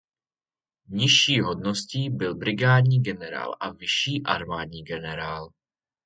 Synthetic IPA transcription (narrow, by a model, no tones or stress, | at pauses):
ɲɪʃiːɦodnosciːbɪlbɾɪɡaːdɲiːɡɛnɛɾa̰ːlʔavɪʃiːʔaɾmaːdɲiːɡɛnɛɾaːl